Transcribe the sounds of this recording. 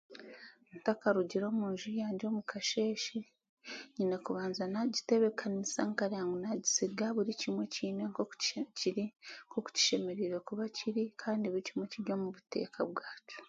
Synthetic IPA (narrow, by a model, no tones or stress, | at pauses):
ntakaɾuɟiɾo̞ːmuːnʒujaːɲɟo̞ːmukʰaʃe̞ːʃi | ɲiːne̞kuβaːnzanaɟite̞βe̞kʰanisaŋkaɾiaŋɡunaɟisiɡaβuɾicimwe̞ciːneŋko̥ciɾiŋkoku̥ci̥ʃe̞me̞ɾiɾe̞kuβaciɾikʰaːndiβuɾicimwe̞ciɾjo̞ːmuβute̞̰ːkʰa̰βwaːcu̥